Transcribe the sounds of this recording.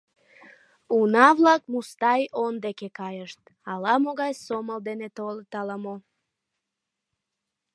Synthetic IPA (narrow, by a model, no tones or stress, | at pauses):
unɑβlɑk̚must̪ɑjond̪ekekɑjəʃt̪ | ɑlɑmoɣɑjsoməld̪enet̪olt̪ɑləmo